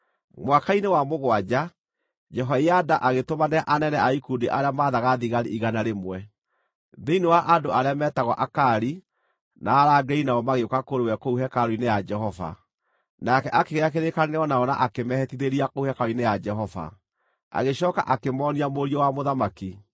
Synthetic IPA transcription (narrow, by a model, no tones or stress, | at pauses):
mwakainewamoɣwad͡ʑa | d͡ʒɛɦaiadaʔaɣetomaneaʔanɛnɛaikudiʔaɾeamaːðaɣaðiɣaɾiʔiɣanaɾemwɛ | ðeinewaʔadoʔaɾeamɛːtaɣɔʔakaɾi | naːɾaɡɛinaɔmaɣeokakoɾewɛkouɦɛkaɾoinejad͡ʒɛɦɔva̰ | nakɛʔakeɣeakeɾekaneneɔnaɔnaʔakemɛhɛtiðeɾiakouhɛkaoinejad͡ʒɛɦɔva̰ | a̰ɣeɕɔːka̰ʔakemɔːniamoɾiɔwamoðamaki